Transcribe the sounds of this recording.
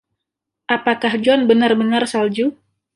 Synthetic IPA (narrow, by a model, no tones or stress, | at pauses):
ʔapakahd͡ʒɔnbənarbənarsald͡ʒu